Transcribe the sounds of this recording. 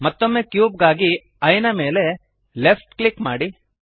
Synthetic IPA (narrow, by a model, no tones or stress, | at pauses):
mɐt̪ːomːekjuːb̚ɡaːɡi | ɐjnɐme̞ːle̞ | lepʰʈklikmaːɽi